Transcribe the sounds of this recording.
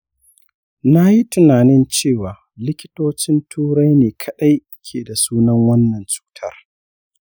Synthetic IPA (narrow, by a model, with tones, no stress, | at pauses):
na˦ji˦tʊ˦naː˨nɪ˦nt͡ʃeː˦˨waː˨ | lɪ˦kʲɪ̥˦toː˦t͡ʃɪ˦ntʰuː˦ɽa˦jneː˨kʰɐ˦ɗa˦jʔɪ˦kʲʰeː˨da˨suː˦nɐ˦ŋwɐ˦nːɐ˨nt͡ʃʼu̥˦tʰɐ̰˦˨r